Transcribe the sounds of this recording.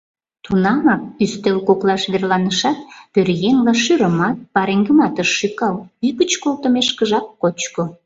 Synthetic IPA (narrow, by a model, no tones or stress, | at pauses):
t̪unɑmɑk̚yst̪elkoklɑʃβerlɑnəʃɑt̪pørjenlɑʃyɾəmɑt̪̚pɑɾeŋɡəmɑt̪əʃːykɑlpyɣət͡ɕkolt̪əmeʃkəʒɑkːot͡ɕko